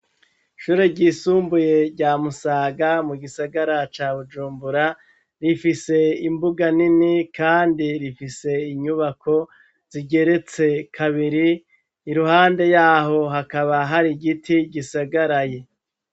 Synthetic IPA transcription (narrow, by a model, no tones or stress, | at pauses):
ʃuːɾe̞ɾɟiːsuːmbuje̞ɾɟaːmusaːɡamuɡisaɡaɾat͡ʃaːβud͡ʒuːmbuɾa | ɾifise̞imbuɡaninikaːndiɾifise̞iɲuβakʰo̞ | z̥iɡe̞ɾe̞t͡se̞kʰaβiɾiː | ɾuɦaːnde̞jaːɦo̞ɦakaβaɦaɾiɡitiɡisaɡaɾaje